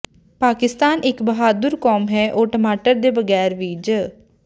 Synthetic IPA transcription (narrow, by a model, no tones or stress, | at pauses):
paːkɪst̪aːnɪkbəɦaːd̪ʊɾkɔːmɦɛːʔoːʈəmaːʈəɾd̪eːbəɡɛːɾʋiːd͡ʒ